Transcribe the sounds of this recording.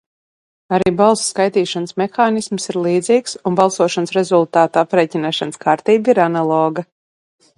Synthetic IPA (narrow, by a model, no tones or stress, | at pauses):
aɾiːbalˠsskajt̪iːʃansmɛxaːnismsiɾlˠiːd̪ziːksunbalˠsuɔʃansɾɛzulˠt̪aːt̪apɾeːcinaːʃanskʰaːɾt̪iːbiɾanalˠɔːɡa